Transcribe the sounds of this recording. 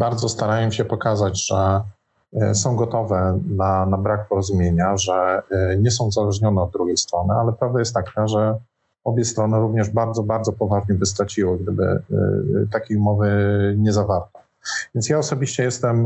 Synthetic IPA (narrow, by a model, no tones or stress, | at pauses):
baɾd̪zɔst̪aɾajɛmɕɛpɔkazad͡ʑʐ̥ɛ | sɔ̃w̃ɡɔt̪ɔvɛnanabɾak̚pɔɾɔzumʲjeɲaʐɛɲɛs̬ɔ̃w̃uzalɛʐɲɔnɛɔd̪̚d̪ːɾuɡʲejst̪ɾɔnɘalɛpɾavd̪ajɛst̪ːakʰaʐɛ | ɔbʲjɛst̪ɾɔnɘɾuvɲɛʐbaɾd̪zɔbaɾd̪zɔpɔvaʐɲɛbɘst̪ɾat͡ɕiwɘɡ̚d̪ɘbɘ̰ | t̪akʲejumɔvɘɲɛzavaɾt̪ɛ | vʲjɛntsjaɔsɔbʲiɕt͡ɕɛjɛst̪ɛm